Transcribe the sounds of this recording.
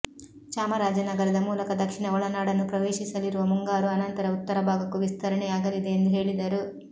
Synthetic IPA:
t͡ʃaːmɐɾaːd͡ʒɐnɐɡɐɾɐd̪ɐmuːlɐkɐd̪ɐkʂiɳɐɔɭɐnaːɽɐnːupɾɐʋeːʃisɐliɾuʋɐmuŋɡaːɾuɐnɐnt̪ɐɾɐut̪ːɐɾɐbʱaːɡɐkːuʋist̪ʰɐɾɐɳɛaːɡɐɾid̪eːnd̪uɦe̞ːɭid̪ɐɾu

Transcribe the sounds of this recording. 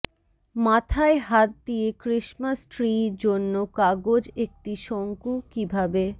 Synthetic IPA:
mat̪ʰaeɦat̪̚d̪iekɾiʃmasʈɾiɾd͡ʑonːokaɡod͡ʑek̚ʈiʃoŋkukibʱabe

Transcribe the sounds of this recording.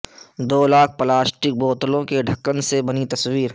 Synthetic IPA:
d̪oːlaːk̚ʰpəlaːsʈɪk̚boːt̪lõkeɖʱɐkːənsebɐnit̪ɐswiːɾ

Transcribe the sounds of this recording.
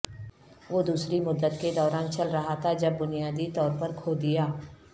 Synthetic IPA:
ʋoːd̪uːsɾimʊd̪ːət̪ked̪ɔːɾaːnt͡ʃɐlɾɐɦat̪ʰad͡ʒɐbːʊnijaːd̪it̪ɔːɾpɐɾkʰoːd̪ɪjaː

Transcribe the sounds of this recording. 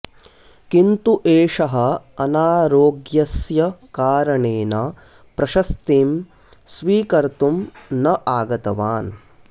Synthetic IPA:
kint̪uʔeːʂɐɦɐ̆ɐnaːɾoːɡjɐsjɐkaːɾɐɳeːnɐ | pɾɐʃɐst̪iːm | sʋiːkɐɾt̪umnɐʔaːɡɐt̪ɐʋaːn

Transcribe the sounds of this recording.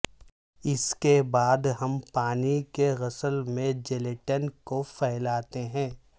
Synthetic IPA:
ɪskebaːd̪ɦɐmpaːnikeɣɐsəlmẽd͡ʒeleʈənkofɛɦlaːt̪eɦɛ̃ː

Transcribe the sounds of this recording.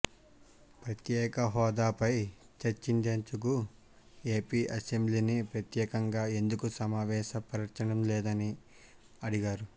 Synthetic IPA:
pɾɐt̪jɛːkɐɦɔːd̪aːpɐjt͡ʃɐɾt͡ʃind̪eːnt͡ʃuku | eːpiːʔɐsembliːnipɾɐt̪jɛːkɐŋɡaːe̞nd̪ukusɐmaːʋɛːʃɐpɐɾɐɾt͡ʃɐnɐmlɛːd̪ɐni | ɐɽiɡaːɾu

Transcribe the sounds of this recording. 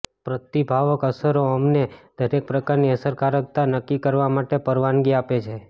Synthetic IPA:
pɾət̪ibʱaʋəkəsəɾoəmned̪̥ʱəɾek̚pɾəkaɾniəsəɾkaɾək̚t̪anəkːikəɾʋamaʈepəɾʋanɡiapet͡ʃʰe

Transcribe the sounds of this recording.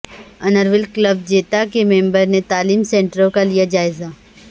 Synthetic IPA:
ɐnəɾʋɪlkləb̚d͡ʒeːt̪akemẽːmbəɾnet̪aːliːmsẽːɳʈəɾõkalijad͡ʒaːɪza

